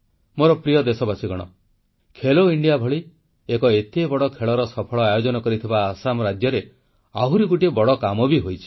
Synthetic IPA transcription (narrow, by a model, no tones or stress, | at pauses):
moɾɔpɾijɔd̪esɔbasiɡɔɽ̃ɔ̰ | kʰeloiɳɖijabʱɔɭi | ekɔet̪ebɔɽɔkʰeɭɔɾɔsɔpʰɔɭɔajod͡ʒɔnɔkɔɾit̪ʰibaːsamɾad͡ʒjɔɾe | aɦuɾikuʈiebɔɽɔkamɔbiɦojt͡ʃʰi̥